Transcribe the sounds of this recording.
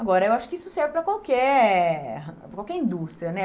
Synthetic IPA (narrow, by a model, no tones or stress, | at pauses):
aɡɔɾɐewaʃʊ̥kɪisʊsɛɾvɪpɾɐkwawkɛ | pɾɐkawkɛɾĩnd̪ust̪ɾiɐnɛ